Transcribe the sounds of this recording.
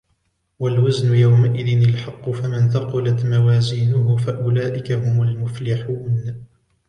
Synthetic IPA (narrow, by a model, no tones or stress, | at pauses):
walwaznʊjawmaʔɪðɪnɪlħɑqːʊfamɪnθɑqʊlat̪mawaːziːnʊɦʊfaʔʊlaːʔɪkaɦʊmʊlmʊflɪħuːn